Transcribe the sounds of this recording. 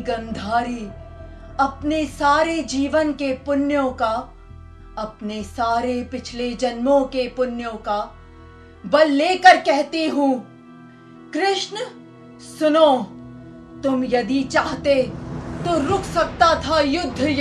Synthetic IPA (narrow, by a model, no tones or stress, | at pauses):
ɡɐ̃nd̪ʱaːɾi | ɐpnesaːɾed͡ʒiːʋənkepʊnjõka | ɐpnesaːɾepɪt͡ʃʰled͡ʒɐnmõkepʊnjõka | bɐlːeːkəɾkɛɦt̪iɦũː | kɾɪʃn | sʊnoː | t̪ʊmjɐd̪it͡ʃaːɦt̪et̪oːɾʊkʰsɐk̚t̪at̪ʰajʊd̪ʱːj